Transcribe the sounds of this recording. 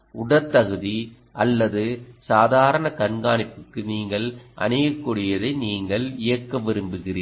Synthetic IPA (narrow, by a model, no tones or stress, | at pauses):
ʊɽɐt̪ːɐɣɯði | ʔɐlːɐðɯsaːðaːɾɐɳɐkɐɳɡaːnɪpːɯkːɯniːŋɡɐɭʔɐ̰nɐjɐkːʊɽɪjɐðɐɪniːŋɡɐɭɪjɐkːɐʋɪɾɯmbɯɣɪriː